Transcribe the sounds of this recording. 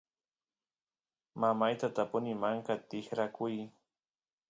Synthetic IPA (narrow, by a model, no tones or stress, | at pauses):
mamajt̪at̪apʊnɪmaŋkat̪ɪhɾakʊj